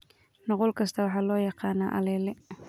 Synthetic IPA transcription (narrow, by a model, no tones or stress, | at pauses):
nɑqɔlkʰɐst̪ʰɐwɑħɑːlɔːjɑqɑːnaːʔɐ̰lɛːlɛ